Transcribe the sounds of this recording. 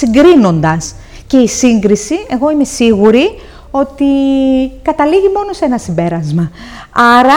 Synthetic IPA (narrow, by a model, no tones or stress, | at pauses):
iŋɡɾino̞nd̪ɐs | ce̞isiŋɡɾisie̞ɣo̞ime̞siɣuɾi | o̞t̪ikɐt̪ɐliʝimo̞no̞se̞nɐsimbe̞ɾɐzmɐ | ɐɾɐ